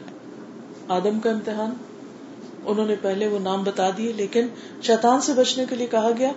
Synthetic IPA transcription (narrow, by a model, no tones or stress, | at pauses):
aːd̪əmkaɪ̃mt̪ɪɦaːn | ʊnɦõːnepɛɦleʋonaːmbɐt̪aːd̪ieleːkɪn | ʃɛːt̪aːnsebɐt͡ʃnekeliekɐɦaɡɐjaː